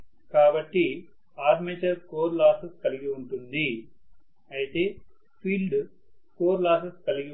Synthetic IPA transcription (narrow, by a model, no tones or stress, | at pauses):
kaːbɐʈːi | aːɾmeːt͡ʃɐɾkoːɾlaːsɐskɐliɡiuɳʈund̪i | ɐjit̪e̞ː | pʰiːlɖ | koːɾlaːsɐskɐliɡi